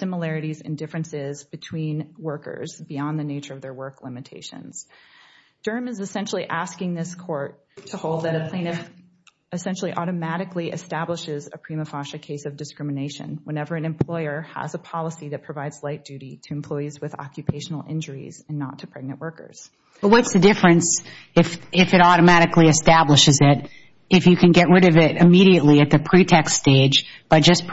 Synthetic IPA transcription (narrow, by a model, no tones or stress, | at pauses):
sɪ̃məlɛɹɨɾizɨ̰̃ndɪfɹɨ̃nsɪzbɨtʰw̥ĩnwɜ˞kə̰˞zbiɑ̃nðɨneɪt͡ʃə˞ʌvðə˞wɜ˞klɪ̃mɨtʰeɪʃɨ̰̃nz̥ | d̥ɜ̃˞mɨzɨsɛ̃nʃl̩ˠiʔæskɪ̃ŋðɪskʰɔɹtʰ | əhoʊlˠd̪̚ðɨɾɨpʰl̥ẽɪ̃nɨ | ɨsɛ̃nʃl̩ˠiʔɔɾɨmæɾɨkliʔɨ̰stæbləʃɪzɨ̰pʰɹ̥iməfɑʃɨkʰeɪsʌvdɨskɹ̥ɪ̃mɨneɪʃɨ̰̃nwə̃nɛvə˞ɨ̃nɨ̃mpʰl̥ɔɪə˞ə̰zəpʰɑlˠəsiðɨt̚pʰɹ̥ɨvaɪdz̥laɪt̚d̥ʉɾiɾɨɨ̃m̩pʰl̥ɔɪizwɨðɑ̰kjɨpʰeɪʃn̩l̩ˠɪ̰̃nd͡ʒə˞ḭz̥ɨ̃nːə̰tʰɨpʰɹ̥ɛɡ̚nɨ̃nʔwɜ˞kə̰˞z̥ | b̥ʌwʌtsðɨdɪfɹɨ̃ns | ɨfɪfɨɾɔɾɨmæɾɨkliɨstæbləʃɨzɪɾ | ɨfjɨkʰɨ̃nɡɛʔ̚ɹɪɾʌvɪɾɨmiɾiɨtˡliɨt̪̚ðɨpʰɹ̥itʰɛkststeɪdd͡ʒb̥ʌd̥ʒ̥ʌsʰ